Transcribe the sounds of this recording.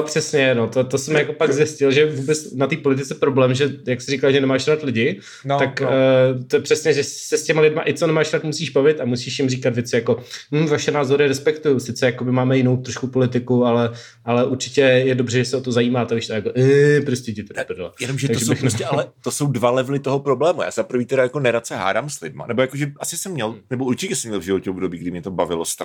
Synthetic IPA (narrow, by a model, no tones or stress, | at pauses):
opr̥ɛsɲɛnot̪ot̪osɛmjako̞pakzjɪscɪlʒɛvuːbɛt͡snat̪iːpo̞lɪt̪ɪt͡sɛpɾoblɛːmʒɛjaksɪɾikalʒɛnɛmaːʃɾaːt̪lɪɟɪ | nt̪akːt̪ojɛpr̥ɛsɲɛʒɛssɛscɛmalɪdmaʔɪt͡sonɛmaːʃɾaːt̪musiːʒbavɪt̪amusiːʃjɪmriːkat̪vjɛt͡sɪjako̞m̩ːvaʃɛnaːzo̞ɾɪɾɛspɛkt̪ujʊsɪt͡sɛjako̞bɪmaːmɛjɪno̞wt̪ɾoʃkupo̞lɪt̪ɪkualɛ | ʔalɛʔuɾt͡ʃɪcɛjɛdobrɛʒɛsɛot̪o̞zajiːmaːt̪ɛavɪʃt̪ɛjakoʔɛpɾoscɛcɪt̪ɛdapdlajɛnomʒɛt̪aɡ̪ʒɛɪxnɛsɛalɛt̪osowdvalɛvlɪt̪oɦopɾoblɛːmuja̰ːzapɾ̩viːt̪ɛɾajakonɛɾat̪t͡sɛɦa̰ːdaːmslɪdma̰nɛbojakoʒɛʔasɪsɛmːɲɛlnɛbouɾt͡ʃɪcɛsɛmɲɛlvʒɪvocɛobdobiːɡ̚dɪmɲɛt̪obavɪlost̪ɾa